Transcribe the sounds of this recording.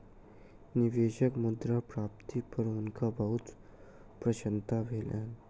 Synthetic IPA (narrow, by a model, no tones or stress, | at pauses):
niʋeɕəkmud̪ɾapɾap̚t̪ipəɾunkabaut͡s | pɾəɕənt̪aʋʱeljan